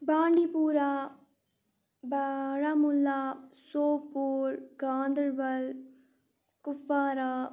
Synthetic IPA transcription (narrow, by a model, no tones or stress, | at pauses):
bãːɳɖiːpuːɾaː | baɽaːmʊlːaːsoːpːuːɾɡãːnd̪əɾbɐl | kʊfːaːɾaː